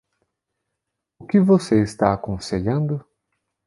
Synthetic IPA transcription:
ʊkɪvoseɪst̪aakõseʎɐ̃nd̪ʊ

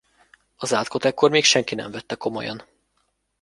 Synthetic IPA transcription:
ɒzaːlt̪ko̞t̪ɛkːo̞rmeːkʃɛŋkinɛ̰ɱvɛt̪ːɛko̞mo̞̰jɒ̰n

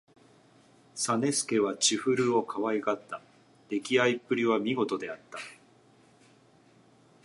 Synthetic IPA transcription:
sane̞sɨ̥ke̞βat͡ɕiɸɯ̟ɾɯ̟o̞kʰaβaiɡat̪ːa | ɾe̞kʲiaipːɯ̟ɾʲiβamʲiɡo̞t̪o̞d̪e̞at̪ːa

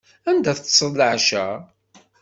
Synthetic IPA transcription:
ænd̪æθsˤəlːəʕʃæ

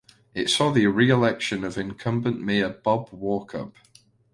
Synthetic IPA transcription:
ɪtsɔːðiɹiɪlɛkʃə̃nəvɪ̃nkʰʌ̃mbə̃nʔmeɪəb̥ɒbwɔˑkʰə̰p

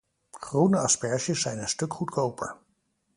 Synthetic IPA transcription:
χrunəɑspɛɹʃəsːɛjnənstɵkχutkʰowpə̰ɹ

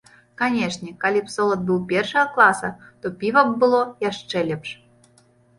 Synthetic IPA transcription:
kɑnʲeʂnʲekalʲipsolˠət̪̚bɨlˠpʲerʂəjaklˠɑsət̪opʲivək̚bɨlˠojɑʂelʲɘ̆pʂ

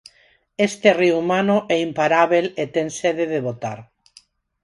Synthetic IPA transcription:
est̪eriumanoʔɛimpaɾaβelet̪eŋseðeðeβot̪aɾ

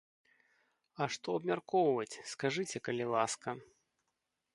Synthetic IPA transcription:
ɐʂt̪ɔɐbmʲarkɔwvɐt͡sʲskaʐɨt͡sʲɛkɐlʲilˠaskɐ

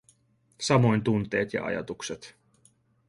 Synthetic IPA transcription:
sɑmo̞jnt̪unt̪eːt̪jɑ̰ʔɑ̰jɑ̰t̪ukset̪

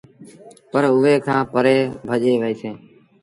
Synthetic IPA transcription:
pəɾʊʋeːkʰãːpəɾeːbʱəʄeːʋəiːseː

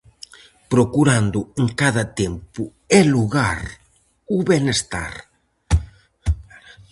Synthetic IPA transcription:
pɾokuɾand̪ʊeŋkaðat̪empʊ | eluɣaɾ | uβenest̪a̰ɾ

